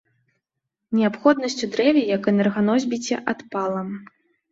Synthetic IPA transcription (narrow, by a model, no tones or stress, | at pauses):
nʲɛapxɔd̪nɐsʲt͡sʲud̪ɾɛvʲɛjɐkɛnɛrɣanɔzʲbʲit͡sʲɛ̰ʔat̪palˠɐm